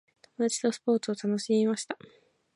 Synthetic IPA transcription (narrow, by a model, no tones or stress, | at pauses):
t̪o̞mo̞d̪at͡ɕi̥t̪o̞sɨ̥po̞ːt͡sɨo̞t̪ano̞ɕimʲimaɕi̥t̪a